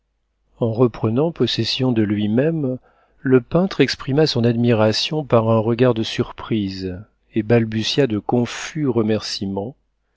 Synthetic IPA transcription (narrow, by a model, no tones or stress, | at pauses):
ɑ̃ʁəpχənɑ̃pɔsɛsjɔ̃d̪əlɥimɛm | ləpɛ̃t̪χɛkspχimasɔ̃nad̪miʁasjɔ̃paʁɛ̃ʁəɡaʁd̪əsyʁpχiz | ebalbysjad̪əkɔ̃fyʁəmɛʁsimɑ̃